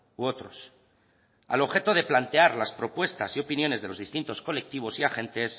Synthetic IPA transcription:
uot̪ɾo̞s | a̰lo̞βxe̞t̪o̞ð̞e̞plant̪e̞aɾlaspɾo̞pwe̞st̪asio̞pinjo̞ne̞zðe̞lo̞zðist̪int̪o̞sko̞le̞k̚t̪iβ̞o̞siaxe̞nt̪e̞s

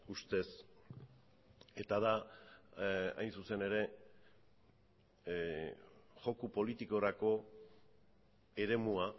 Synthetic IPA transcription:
ust̪e̞s | e̞t̪aða | a̰jnsuse̞ne̞ɾe̞ | ʝo̞kupo̞lit̪iko̞ɾako̞ | e̞ɾe̞mua

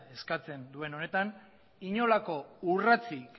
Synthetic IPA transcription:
e̞skat͡se̞nd̪ue̞no̞ne̞t̪an | iɲo̞lako̞urat͡sik

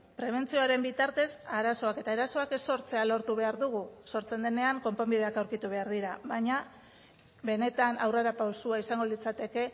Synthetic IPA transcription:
pɾe̞β̞e̞nt͡sio̞aɾe̞mbit̪aɾt̪e̞saɾaso̞ake̞t̪aeɾaso̞akesːo̞ɾt͡se̞alo̞ɾt̪uβe̞aɾðuɣ̞uso̞ɾt͡se̞nd̪e̞ne̞aŋko̞mpombiðe̞akawɾkit̪uβe̞aɾðiɾaβaɲa | βbe̞ne̞t̪anawreɾapawsuaisaŋɡo̞lit͡sat̪e̞ke̞

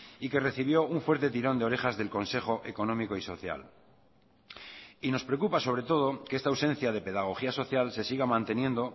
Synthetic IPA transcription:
ike̞re̞θiβ̞jo̞uɱfwe̞ɾt̪e̞t̪iɾo̞nd̪eoɾe̞xazðe̞lko̞nse̞xo̞ʔeko̞nõ̞miko̞iso̞θja̰l | ino̞spɾekupaso̞βɾe̞t̪o̞ð̞o̞keest̪awsẽ̞n̟θjaðe̞pe̞ðaɣ̞o̞xiaso̞θjalse̞siɣ̞amãnt̪e̞njẽ̞nd̪o̞

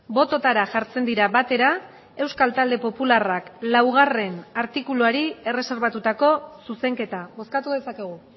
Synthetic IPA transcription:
bo̞t̪o̞t̪aɾaʝaɾt͡se̞nd̪iɾaβat̪e̞ɾa | e̞wskalt̪ald̪e̞po̞pularaklawɣ̞are̞naɾt̪ikuluaɾie̞re̞se̞ɾβat̪ut̪ako̞suse̞ŋke̞t̪aβo̞skat̪uðe̞sake̞ɣ̞u

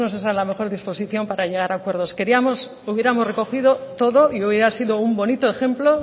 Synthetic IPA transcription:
nos̬esalame̞xo̞ɾðispo̞siθjo̞mpaɾaʝe̞ɣ̞aɾakwe̞ɾðo̞ske̞ɾiamo̞s | uβje̞ɾamo̞sre̞ko̞xiðo̞t̪o̞ðo̞iuβjeɾasiðo̞umbo̞nit̪o̞e̞xe̞mplo

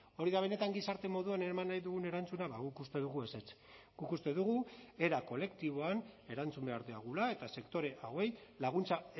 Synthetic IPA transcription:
o̞ɾiðaβ̞e̞ne̞t̪aŋɡisaɾt̪e̞mo̞ðuaneɾmanːajðuɣ̞une̞ɾant͡sunaβaɣukust̪e̞ðuɣue̞set͡s | ɡ̥ukust̪e̞ðuɣue̞ɾako̞le̞kt̪iβo̞ane̞ɾant͡sumbe̞aɾðiaɣ̞ulae̞t̪ase̞kt̪o̞ɾe̞ʔawe̞jlaɣ̞unt͡sa

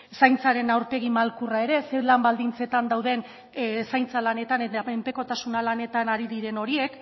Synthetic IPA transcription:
sajnt͡saɾe̞nawɾpe̞ɣ̞imalkurae̞ɾe̞selambald̪int͡se̞t̪and̪awðe̞n | sajnt͡salane̞t̪anaempe̞ko̞t̪asunalane̞t̪anaɾiðiɾe̞no̞ɾie̞k

